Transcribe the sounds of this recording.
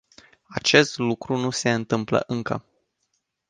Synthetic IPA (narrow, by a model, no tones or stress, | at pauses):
at͡ʃe̞st̪lukɾunuse̞ɨnt̪ɨmplə̰ʔɨŋkə̰